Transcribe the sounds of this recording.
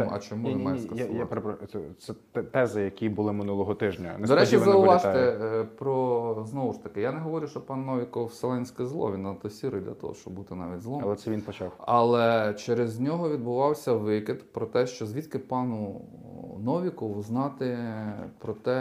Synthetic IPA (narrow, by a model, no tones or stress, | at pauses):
ɐ̰t͡ʃɪmuɪmɛsʲkɐjapeɾepɾɔɛsɛt̪ɛt̪ɛzɪjɐkʲibʊlˠɪmɪnulˠɔɦɔt̪ɪʒnʲɐnɛd̪ɔɾɛt͡ʃiɐnzɐʊʋɑʃɪpɾɔznɔʋʊʃt̪ɐkɪjanɛɦɔʋɔɾʲʊʃt͡ʃɔpɑnːɔʋʲikɔwselˠɛnʲsʲkɪzlˠɔ̰ʋʲinːɐt̪ɔsʲiɾɐjd̪lʲɐ̰t̪ɔ̰ɦɔ̰ʃt͡ʃɔ̰bbut̪ɪnɑ̰ʋʲitʲzlˠɔlˠɛt̪sɛʋʲinpɔt͡ʃɑwɐlˠɛt͡ʃɛɾezʲnʲɔɦɔʋʲid̪̚bʊʋɑwsʲɐʋɪkɪd̪pɾɔt̪ɛʃt͡ʃɔzʲʋʲit̪kɪpɑnʊ | nɔʋʲikɔʋʊznɑt̪ɪpɾɔt̪ɛ